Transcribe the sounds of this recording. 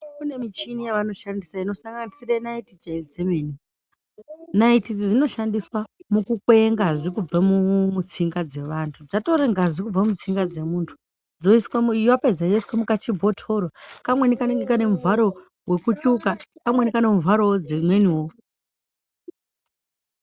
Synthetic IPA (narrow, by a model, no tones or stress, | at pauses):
kune̞mit͡ʃinijaʋano̞ʃandisaino̞saŋɡanisiranaitid͡ʒed͡zemeːni | naitid͡zid͡zino̞ʃandiswamukukweŋɡazikub͡vamumut͡siŋɡad͡ze̞ʋantʰud͡zato̞ɾeŋɡazikub͡vaumut͡siŋɡad͡ze̞muːntʰu̥ | d͡zo̞iswajaped͡zajoiswamukat͡ʃibʱo̞tʰo̞ɾokamwe̞nikaneɡekane̞muvaɾo̞ | we̞kucukakamwe̞nikane̞muvaɾod͡zemweniwo